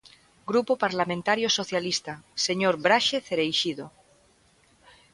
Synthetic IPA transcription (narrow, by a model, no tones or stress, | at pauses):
ɡɾupopaɾlamẽnt̪aɾjosoθjalist̪aseɲoɾbɾaʃeθeɾejʃiðo